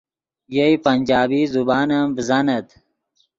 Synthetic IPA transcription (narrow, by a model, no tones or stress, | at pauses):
jeipɐnʲd͡ʑaːbiːzubaːnɐmbzɐnɐt̪